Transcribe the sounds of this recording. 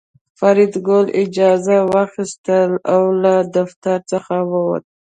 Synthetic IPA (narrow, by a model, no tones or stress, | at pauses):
faɾɪd̪ɡolɪd͡ʒɑzawaxist̪əlawlad̪aft̪aɾt͡səxawəwa̰t̪ə